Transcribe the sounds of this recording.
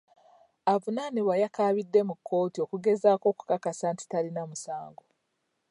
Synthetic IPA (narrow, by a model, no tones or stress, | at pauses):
avunaniβwajakaːβidːe̞mukʰːo̞ːtiokuɡe̞zaːko̞ːku̥kakasanti̥talinamusaːŋɡo